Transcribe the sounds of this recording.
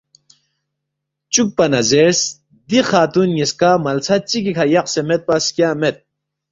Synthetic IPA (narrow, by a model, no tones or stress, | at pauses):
t͡ɕuk̚pɐnɐzeɾs | d̪iχaːt̪unjiskamɐlt͡sʰɐt͡ɕikikʰɐjɐqsemet̪̚pɐskjaːmet̪̚